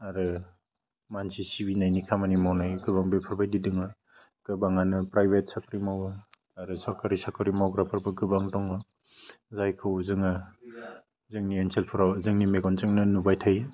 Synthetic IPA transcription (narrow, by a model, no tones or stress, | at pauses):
aɾɯ | mansisibinajnikʰamanimawnajɡɯbaŋbepʰɯɾbajdidɯŋɯ | ɡ̥ɯbaŋanɯpɾajbet̚sakʰɯɾimawɯ | aɾɯsaɾkaɾisakʰɯɾimawɡɾapʰɯɾbɯɡɯbaŋtɔŋɯ | zajkʰɯwzɯŋa | zɯŋnienselpʰɯɾawzɯŋnimeɡɔnt͡ʃɯŋnɯnubajtʰaj